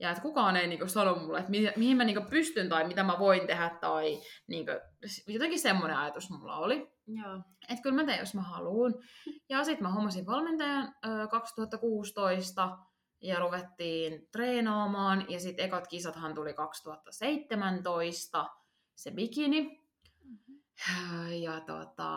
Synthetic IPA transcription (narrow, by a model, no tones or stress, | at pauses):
jɑet̪kukɑːneiniːŋkəsɑnommulːet̪mimihimmæniːŋkəpyst̪ynt̪ɑimit̪æmæʋoint̪ehæt̪t̪ɑiniːŋkø̰sjot̪eŋkisemːoneɑjɑt̪usmulːɑ̰oli | et̪kylmæt̪ejo̰smæhɑluːnjɑsit̪mæhomːɑsinʋɑlment̪ɑjɑnøːkɑkst̪uhɑt̪ːɑkuːst̪oist̪ɑ | jɑruʋet̪ːiːnt̪reːnɑːmɑːnjɑsit̪ekɑt̪kisɑt̪hɑnt̪ulikɑkst̪uhɑt̪ːɑseit̪ːemænt̪oist̪ɑ | sebikini | jɑt̪o̰t̪ɑ̰